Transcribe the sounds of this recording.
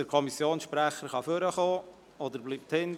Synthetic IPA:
əɾkʰɔmisjoːnsʃpɾæχəɾχɑføɾəχoː | ɔd̪əɾbliːp̚t̪hɪn

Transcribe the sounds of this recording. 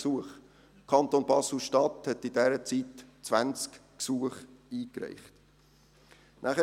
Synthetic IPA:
suəχ | kʰɑnt̪oːnbɑslʃtɑthɛtidɛɾət͡sitt͡svænt͡skksuəχiːkɾɛ̰ɪχt | nʔæχə

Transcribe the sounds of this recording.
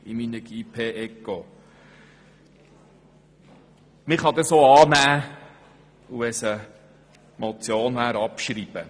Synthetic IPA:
iminəɡ̥ipʰeːʔɛkːo | mɪχɑd̪əsoːɑːnæː | uɛsə | mot͡sjoːnʋæːɾɑpʃɾiːb̥ə

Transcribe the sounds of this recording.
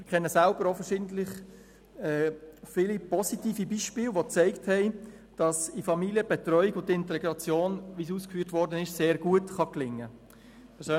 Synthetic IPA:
mɪkʰɛnːəsalb̥əɾɔfənʃɪntlɪχ | ɛːfilipɔsitiːfibiːʃpɪːlʋot͡sɛɪkthɛɪ | d̥ɑsifɑmiliəb̥ɛtrœʏiɡʊntɪntɛɡɾɑt͡sjoːnʋis̬uːskfyːtvɔɾdənɪʃseːɾɡ̥uətχɑklɪŋːə | pʰɛsø

